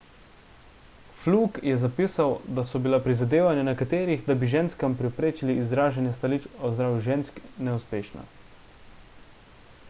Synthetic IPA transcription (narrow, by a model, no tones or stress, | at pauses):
fluːkjɛzapiːsawd̪asɔbilapɾizad̪eːʋanjanɛkat̪eːɾiɣd̪abiʒeːnskampɾɛpɾeːt͡ʃiliːzɾaːʒanjɛst̪aliːt͡ʃɔzd̪ɾaːʋjuʒeːnsknɛuspeːʃna̰